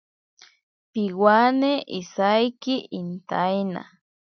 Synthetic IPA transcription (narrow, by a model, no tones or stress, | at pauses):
pɪwaneʔisajkɪʔint̪ajna̰